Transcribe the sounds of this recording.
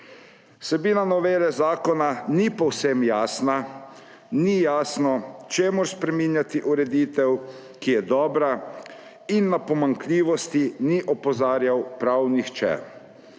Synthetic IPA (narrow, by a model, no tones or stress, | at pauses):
sɛbiːnanɔʋeːlɛzaːkɔnanipɔwsɛmjaːsna | nijaːsnɔt͡ʃeːmʊɾspɾɛminjat̪iʔuɾɛd̪iːt̪ɛw | kijɛd̪ɔːbɾa | inːapɔmaŋklʲiːʋɔst̪iniʔɔpɔzaːɾjawpɾawnixt͡ʃɛ̰